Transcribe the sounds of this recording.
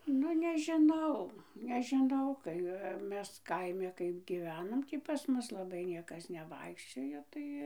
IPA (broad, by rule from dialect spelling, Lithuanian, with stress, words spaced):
ˈnʊ nʲɛʒʲɪˈnɐʊ nʲɛʒʲɪˈnɐʊ kɐɪ ˈmʲɛs ˈkɐɪmʲɛ ˈkɐɪp ɡʲiːˈʋʲæːnoːm ˈtʲiː pɐs ˈmʊs lˠɐˈbɐɪ ˈnʲiɛkɐs nʲɛˈʋɐɪkʃʲt͡ʃʲoːjoː ˈtɐɪ